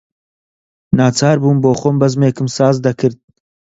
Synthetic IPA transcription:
naːt͡sʰaːɾbuːnboːχoːmbɐzmeːkʰɨmsaːzd̪ɐkʰɨɾd̪̚

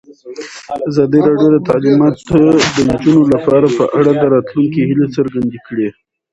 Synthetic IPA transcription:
azɑd̪iɾɑɖjod̪ət̪alɪmɑt̪od̪ənd͡ʒunolapɑɾapəʔaɽad̪əɾɑt̪luŋkihilet͡səɾɡand̪ikɽe

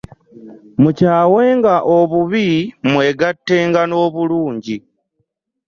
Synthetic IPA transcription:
mucaːwe̞ːŋɡaʔo̞βuβimwe̞ːɡatːe̞ːŋɡano̞ːβuluːɲɟi

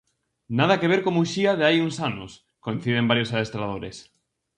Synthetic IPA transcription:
nað̞akeβ̞eɾkomuʃiaðeajuŋsanos | koin̟θið̞embaɾjosaðest̪ɾað̞oɾḛs

